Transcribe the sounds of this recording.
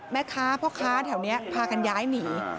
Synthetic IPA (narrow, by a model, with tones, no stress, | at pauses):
mɛː˦˥kʰaː˦˥pʰɔ˦˥kʰaː˦˥t̪ʰɛː˨˩˦wni˦˥ɐpʰaː˧ka˧njaː˦˥jniː˩˦